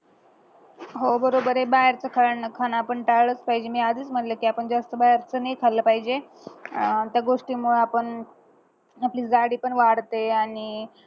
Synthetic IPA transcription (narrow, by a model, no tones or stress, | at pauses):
ɦobəɾobəɾebaɾt͡səkʰaəɳnəkʰanaːpəɳʈaɭət͡spaɦid͡ʑemiːad͡zəːt͡sm̤əʈləkiːapəɳd͡zast̪əbaɦeɾt͡sənəjkʰaləːpaɦid͡ʑe | t̪jaɡoʂʈiːmuɭapəɳ | apliːd͡zaɽiːpəɳʋaɽt̪eaɽi